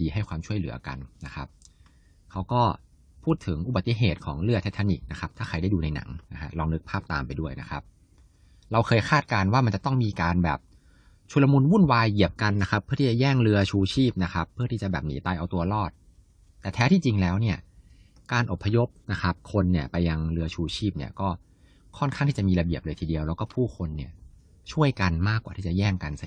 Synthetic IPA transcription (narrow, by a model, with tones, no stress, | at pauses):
iː˧ɦa˥˩jkwaː˧mt͡ɕʰu˥˩əjlɯ̰˩˦ɐ˦ka̰˧nna˦˥kʰa˦˥p̚ | kʰa˦˥wkɔː˥˩ | pʰuː˥˩t̪ʰːɯ˩˦ŋʔu˨˧ba˨˩t̪ːi˧˩ɦeː˨˩t̪̚kʰɔ̰ː˩˦ŋɾɯ˥˩ɐt̪ʰe˦˥t̪ʰːa˧nḭ˨˩k̚na˦˥kʰa˦˥p̚t̪ʰaː˥˩a˧jda˥˩duː˧na˧jna̰˩˦ŋna˦˥kʰa˦˥ɾɔː˧ŋnɯ˦˥k̚pʰaː˥˩p̚t̪aː˧mpa˧jdu˥˩əjna̰˦˥kʰa˦˥p̚ | ɾa˧wkʰxʰɤː˧jkʰaː˥˩t̪̚kaː˧nwaː˥˩ma˧nt͡ɕa˨˩t̪ɔ˥˩ŋmiː˧kaː˧nbɛ̰ː˨˩p̚ | t͡ɕʰu˧la˧mu˧nwu˥˩nwaː˧jʔi˨˩əp̚ka˧nːa˦˥kʰa˦˥pʰːɯ˥˩iː˥˩t͡ɕa˨˩jɛː˥˩ŋɾɯ˧ɐt͡ɕʰuː˧t͡ɕʰiː˥˩p̚na˦˥kʰa˦˥pʰːɯ˥˩t̪ʰiː˥˩t͡ɕa˨˩bɛː˨˩p̚niː˩˦t̪aː˧jʔa˧wt̪u˧ɐlɔː˥˩t̪̚ː | ɛː˨˩t̪ʰɛː˦˥t̪ʰiː˥˩t͡ɕi˧ŋlɛː˦˥wni˥˩ɐ | kaː˧nʔo˨˩pʰːa˧jo˦˥p̚na˦˥kʰa˦˥p̚kʰo˧nːi˥˩ɐpa˧jːa˧ŋɾɯ˧ɐt͡ɕʰuː˧t͡ɕʰiː˥˩p̚nḭ˥˩ɐkɔː˥˩ | kʰɔ˥˩nkʰa˥˩ŋt̪ʰiː˥˩t͡ɕa˨˩miː˧la˧bi˨˩əp̚lɤː˧jt̪ʰiː˧di˧əwlɛː˦˥wkɔː˥˩pʰuː˥˩kʰo˧nːi˥˩ɐ | t͡ɕʰu˥˩əjka˧nmaː˥˩k̚ːaː˨˩iː˥˩a̰˨˩jɛː˥˩ŋka˧nsa˧